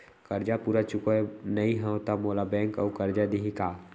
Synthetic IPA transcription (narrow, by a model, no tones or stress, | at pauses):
kəɾd͡ʒapuːɾat͡ʃʊkonɐĩɦɛ̃t̪amoːlabɛ̃ːŋkɔ̰kəɾd͡ʒad̪iɦikaː